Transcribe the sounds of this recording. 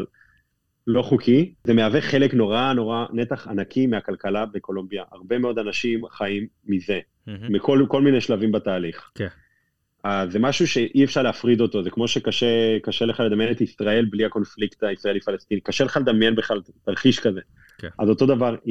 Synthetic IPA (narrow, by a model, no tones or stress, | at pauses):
lo̞χukʰize̞meaveχe̞lekno̞ʁano̞ʁane̞t̪aχanakimeakalkalabe̞ko̞lombjaʔaʁbe̞me̞o̞d̪anaʃimχaimːize̞ | mikʰolko̞lmineʃlavimbataːliχ | aze̞maʃuʃe̞ʔiefʃaʁleafʁid̪o̞t̪o̞zekmo̞ʃe̞kaʃekaʃeleχaleamjenet̪isʁae̞lbliako̞nflikt̪aisʁaelifalest̪inikaʃeleχaled̪amjenbeχlaltaʁχiʃkaze | azo̞t̪o̞d̪avaʁ